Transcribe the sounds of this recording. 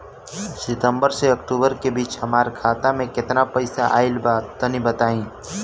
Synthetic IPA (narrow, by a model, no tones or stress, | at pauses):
sɪt̪ə̃mbəɾseɐkʈuːbəɾkebiːt͡ʃhɐmaːɾkʰaːt̪amẽkɪt̪napɐɪsaʔa̰ːɪlbaːtːənĩbɐt̪aːĩː